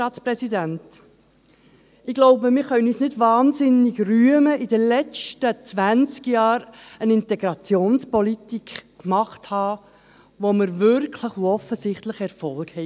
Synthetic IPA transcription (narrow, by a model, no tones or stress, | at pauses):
ɑːtt͡spɾɛsidænt | ɪɡ̥lɔʊbəmɪχœnisnɪdvɑːnsɪniɡryəməʔid̥əlɛt͡stət͡sʋænt͡skjɑːɾənɪntɛɡɾɑt͡sjoːnspɔlitikkmɑχthɑː | ʋoməɾvʏɾkʰləχuɔfəsɪχtləχɛɾfɔlkhɛ